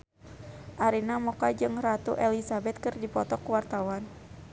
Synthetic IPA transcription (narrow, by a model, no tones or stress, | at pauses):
ʔaɾinamɔkad͡ʒɨŋrat̪uʔɛlisabɛt̪̚kɨrdipɔt̪ɔkuwart̪awan